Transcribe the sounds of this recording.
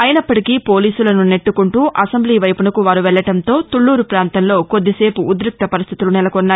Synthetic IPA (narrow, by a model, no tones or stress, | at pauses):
ɐjɐnɐpːɐʈikiːpo̞ːliːsulɐnune̞ʈːukuɳʈuːʔɐsɐmbliːʋɐjpunɐkuʋaːɾuʋɛɭːɐʈɐnt̪o̞ːt̪uɭːuːɾupɾaːnt̪ɐnlo̞ːko̞d̪ːise̞ːpuːd̪ɾuk̚t̪ɐpɐɾist̪ʰit̪ulunɛlɐkɔnːaː